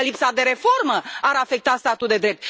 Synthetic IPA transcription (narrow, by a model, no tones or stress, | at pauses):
əlipsad̪e̞ɾe̞fo̞rməaɾafe̞k̚t̪ast̪at̪uld̪e̞d̪ɾe̞p̚t̪̚